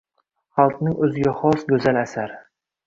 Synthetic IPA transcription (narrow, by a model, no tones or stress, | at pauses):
χɑlˠt̪nɪŋɵzɪɡʲaχɒsɡʲɵzalasaɾ